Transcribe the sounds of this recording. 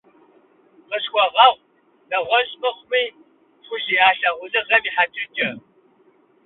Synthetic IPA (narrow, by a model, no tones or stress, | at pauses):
qəɕxʷɔʁɐʁʷ | dɐʁʷɔɕʼmɨχʷʊmiː | fʷʊʒiːaːɬɐʁʷʊzɨʁɐmiːħat͡ʃʰʼɪt͡ʃʼɐ